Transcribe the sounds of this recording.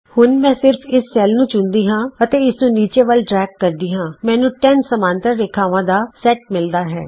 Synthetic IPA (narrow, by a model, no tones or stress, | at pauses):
hʊnmɛ̃ːsɪɾpʰɪsːɛːlnũːt͡ʃʊnd̪iːɦãːət̪eːɪsnũːniːt͡ʃeːʋəlɖɾɛːkːəɾd̪iːɦãːmɛ̃ːnũːʈɛːnsəmaːnt̪əɾːeːkʰaːʋãːd̪aːsɛːʈ̚mɪld̪aːɦɛ̰ː